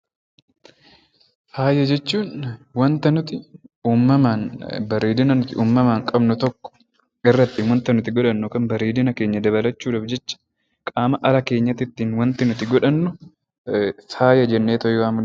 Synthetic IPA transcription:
haːjɐd͡ʒɛt͡ʃːuːnwɐnt̪ɐnʊt̪ɪuːmːɐmaːnbɐɾeːd̪ɪnɐnʊt̪ɪʔuːmːɐmaːŋkʼɐbnʊt̪ɔkːɔ̥ | ɪrːɐt̪ːɪnwɐnt̪ɐnʊt̪ɪɡɔᶑɐnːʊkɐnbɐɾeːd̪ɪnɐke̞ːɲːɐd̪ɐβɐlɐt͡ʃːuːᶑɐbd͡ʒɛt͡ʃːɐ̥ | kʼaːmɐʔɐɾɐke̞ːɲːɐt̪ɪt̪ːiːnwɐnt̪ɪnʊt̪ɪɡɔᶑɐnːʊ | faːjɐd͡ʒɛnːeːt̪ɔjoaːmʊn

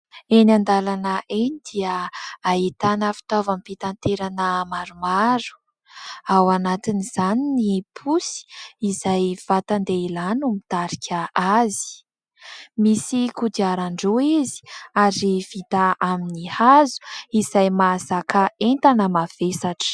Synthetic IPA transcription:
enand̪alanəʔenid̪iəait̪anəfi̥t̪avamipit̪ant̪eɾanəmaɾumaɾu̥ | awanat̪iniz̥aninipʰusi̥izajv̥at̪and̪eilanumit̪aɾikʲʰəazi̥ | misikud̪iaɾaɳɖ͡ʐoizi̥aɾiv̥it̪aʔaminihazu̥izajmasakaent̪anəmav̥esaʈ͡ʂ

